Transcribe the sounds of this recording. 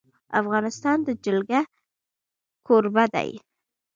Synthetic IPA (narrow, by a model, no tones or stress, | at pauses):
afɣɑnɪst̪ɑnd̪əd͡ʒɪlɡa | kʰoɾbad̪a̰j